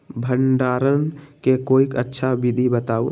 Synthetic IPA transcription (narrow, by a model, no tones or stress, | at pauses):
bʱəɳɖaɾənkekoikətːʃʰabid̪ʱibət̪au